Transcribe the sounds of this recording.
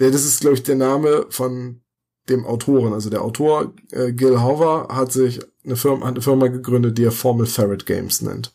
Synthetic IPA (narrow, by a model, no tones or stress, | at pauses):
jadas̬ɪst̚ɡ̥laʊbəɪçd̥eːɐnaːməfɔn | d̥eːmʔa̰ʊtʰoːʁənʔalzodeːɐʔaʊtʰoːɐ | ʔɛːɡɪlɦɔvɐhatz̥ɪç | nəfɪɐmha̰tnəfɪɐmaɡəɡʁʏndət̚d̥iːeːɐfɔɐməl̩fɛʁɪtɡ̥ɛ̰ɪmsnɛ̰nt